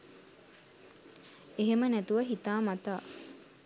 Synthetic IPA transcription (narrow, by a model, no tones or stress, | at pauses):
eɦemənæt̪uʋɐɦit̪aːmat̪aː